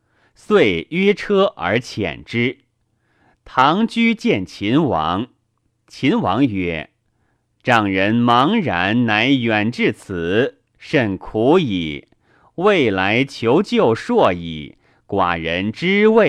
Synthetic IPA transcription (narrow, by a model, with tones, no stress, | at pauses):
swe˥˩ɪɥɛ˥ʈ͡ʂʰɤ˥ʔə̰˞˧˥t͡ɕʰjɛ̰˨˩nʈ͡ʂɻ̩˥ | t̪ʰɑ˧˥ŋt͡ɕy˥t͡ɕjɛ˥˩nt͡ɕʰi˧˥nwɑ̰˧˥˦ŋ | t͡ɕʰi˧˥nwɑ˧˥ŋɥɛ̰˧˥˦ | ʈ͡ʂɑ˥˩ŋɻə˧˥nmɑ˧˥ŋɻa˧˥nna˧˥ɪjɛ˨˩nʈ͡ʂɻ̩˥˩t͡s̩ʰ˨˩˦ | ʂə˥˩nkʰu˧˥i˨˩ | we˥˩ɪla˧˥ɪt͡ɕʰjo˧˥ʊt͡ɕjo˥˧ʊʂwɔ˥˩ḭ˨˩ | kwa̰˨˩ɻə˧˥nʈ͡ʂɻ̩˥we˥˩